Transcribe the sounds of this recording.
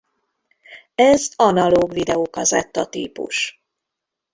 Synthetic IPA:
ɛzɒnɒloːɡʋid̪ɛoːkɒzɛ̰t̪ːɒt̪ḭːpṵʃ

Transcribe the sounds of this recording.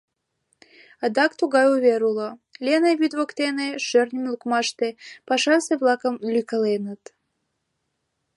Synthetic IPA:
əd̪ɑkt̪uɣɑjuβʲeɾulolʲeneβyd̪βokt̪eneʃørnʲəmlukmɑʃt̪epɑʃɑseβlˠɑkəmlʲykə̆lenət̪

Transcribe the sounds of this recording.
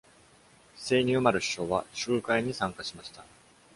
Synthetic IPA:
se̞ːɲ̟iomaɾɯ̟ɕi̥ɕo̞ːβaɕɨːkaiɲ̟isãŋkaɕimaɕi̥t̪a

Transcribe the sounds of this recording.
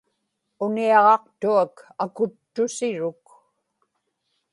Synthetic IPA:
ʊniɑʁɑqt̪uakakʊt̪ːʊsɪɻʊk

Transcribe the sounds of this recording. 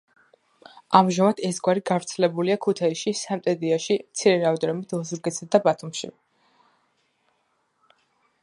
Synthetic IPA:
ʔamʒamad̪ɛsɡwaɾiɡavɾt̪sʰɛlɛbuliakʰut̪ʰaiʃisamt̪ʼɛd̪iaʃimt̪sʰiɾɛɾavd̪ɾɔmid̪ɔzuɾɡɛt̪sad̪abat̪ʰumʃḭ

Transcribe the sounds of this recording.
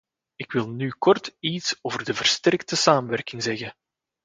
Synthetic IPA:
ɪkwɪlˠnykɔrtitsoːvərdəvərstɛrktəsaːməʋɛrkɪŋzɛɣə

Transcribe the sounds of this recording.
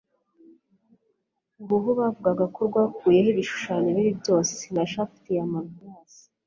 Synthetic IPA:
ɡuɦuβaːvuɡaɡakoɾɡwaːkuːje̞hiβiʃu̥ʃaneβiɾibɟo̞ːse̥naʃaftijamavjaːsi̥

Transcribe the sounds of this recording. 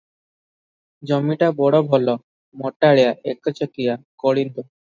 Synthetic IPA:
d͡ʑɔmːiʈabɔɽɔbʱɔlɔ | mɔʈːaɭejaʔekɔt͡ɕɔkijakɔɽind̪ɔ

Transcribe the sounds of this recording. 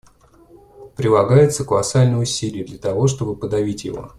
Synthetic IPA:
pɾʲɪlˠɐɡajɪt̪səkəlˠɐsalʲnəjʊsʲilʲɪjəd̪lʲət̪ɐvo̞ʂt̪o̞bɨpəd̪ɐvʲitʲjɪ̰vo̞̰

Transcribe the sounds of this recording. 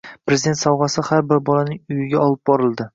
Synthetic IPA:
pɾezid̪et̪sɒwʁɑsɪhaɾbɪɾbɒlanɪŋʊjɪɡʲaɒlˠɪp̚bɒɾɪlˠd̪ɪ

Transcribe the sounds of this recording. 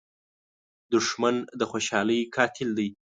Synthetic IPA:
d̪ʊʂmand̪əxoʃɑləjkʰɑt̪ʰɪld̪aj

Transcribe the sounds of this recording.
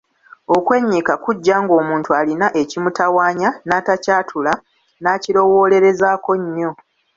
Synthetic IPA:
o̞kwe̞ːɲːikakuɟːaŋɡo̞ːmuːntualinaʔe̞cimutawaːɲanaːtacaːtʰula | naːcilo̞wo̞ːle̞ɾe̞zaːko̞ɲːo̞

